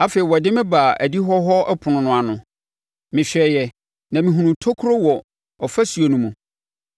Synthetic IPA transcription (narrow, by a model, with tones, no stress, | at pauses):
a˦feː˨i˨wɔ˨dɪ˦mɪ̃˦ba˨æ̰˨di˦ɦɔ˦ɦɔ˦ʔɛ˦pʰʊ˨nʊ̃˨nʊ̃˨a˨nʊ̃˨ | mɪ̃˨ɕᶣɛ˨jɛ˨ | nã˨mĩ˨ɦũ˨nũ˨tʰo˦kʰu˦ɾo˦wɔ˨ | ɔ˨fæ˦su˨o˨nũ˨mũ˨